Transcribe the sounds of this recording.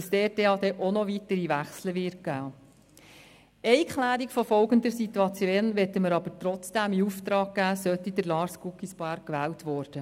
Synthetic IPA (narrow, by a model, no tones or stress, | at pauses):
əsteteɑːd̪ɛʔonɔʋitəɾiʋæχsləʋɪːt̚ɡæː | ɛɪkχlæːɾikfɔfɔlɡənd̪əɾsit̪uɑt͡sjoːnʋɛtəməɾɑbəɾtɾɔt͡sd̥æmiuft̪ɾɑːɡ̚ɡæːsœtid̥əɾlɑːɾskukisb̥ɑːɾk̚kːʋæːltʋɔːɾd̥ə